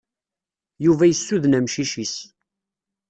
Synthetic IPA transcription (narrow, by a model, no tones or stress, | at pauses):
juvæjəsːuðnæmʃiʃis